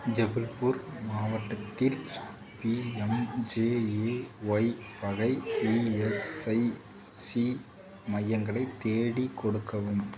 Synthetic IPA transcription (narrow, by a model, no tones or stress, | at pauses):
d͡ʒɛbɪlpuɾmaːʋɐʈːɐt̪ːɪl | piɛmd͡ʒeːeːʋɐɪʋɐɣɐɪpiɛsɐɪ | si | mɐjːɐŋɡɐɭɐɪt̪ːeːɽikɔɽɯkːɐʋɯm